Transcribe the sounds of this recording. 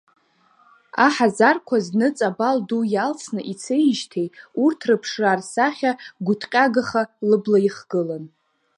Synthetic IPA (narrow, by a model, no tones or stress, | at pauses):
aħazarkʷʰaznɨt͡sʼabaldujalt͡sʰnɨʔit͡sʰejʒtʰe̞jurtʰrɨpʰʂrarsaχʲaɡʷʊtʰqʲʼaɡaχalɨblaiχɡ̥ɨlan